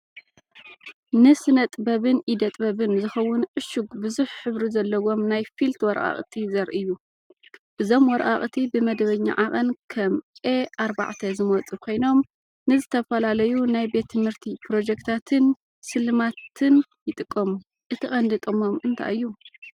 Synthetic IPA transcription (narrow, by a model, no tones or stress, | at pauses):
nɨsɨnɐt̪ʼbɐβɨnʔid̪ɐt̪ʼbɐβɨnzɨxɐwːʊnʕʊʃuɡbɨzuħħɨβɾizɐlːɐwo̞mnajfilt̪wɔɾʔʼa̰χʼt̪ʰizɐɾʔɨjːu | ʔɨzo̞mwɔɾʔʼaχʼt̪ʰibɨmɐd̪βɐɲːa̰ʕakʼɐnkʰɐmʼeaɾba̰ʕt̪ʰɐzɨmɔt͡sʼɨkʰo̞jno̞m | nɨzɨt̪ʰɐfɐlalɐjunajbe̞t̪ʰːɨmhɨɾt̪ʰipɾo̞d͡ʒekt̪ʰat̪ʰɨn | sɨlɨmat̪ʰɨnjɪt̪ʼɨkʼːom | ʔɨt̪ʰɨχʼɐnd̪ɨt̪ʼomo̞mɨnt̪ʰa̰ʔɨjːu